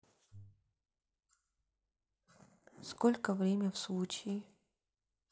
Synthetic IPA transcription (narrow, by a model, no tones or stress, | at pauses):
skolʲkəvɾʲemʲəfslˠut͡ɕɪɪ